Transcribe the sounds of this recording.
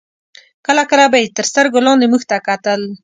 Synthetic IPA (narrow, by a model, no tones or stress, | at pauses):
kəlakəlabajt̪əɾst̪əɾɡolɑnd̪emuxt̪akat̪əl